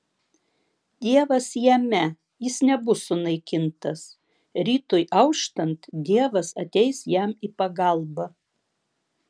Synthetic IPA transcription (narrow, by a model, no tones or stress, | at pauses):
d̪ʲiɛʋɐsjɛmʲɛ | jɪsnʲɛbʊsʊnɐɪkʲɪnt̪ɐs | ɾʲiːt̪ʊjʔɐʊʃt̪ɐnt̪d̪ʲiɛʋɐsɐt̪ʲɛɪsjæmipɐɡɐˑlˠbɐ